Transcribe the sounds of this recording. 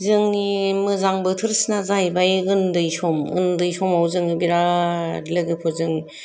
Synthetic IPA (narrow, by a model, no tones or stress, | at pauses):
zɯŋimɯzaŋbɯtʰɯɾsnazajbajɯndɯjsɔmɯ̰ndɯjsɔmawzɯŋɯbiɾaɾilɯɡɯpʰɔzɯŋ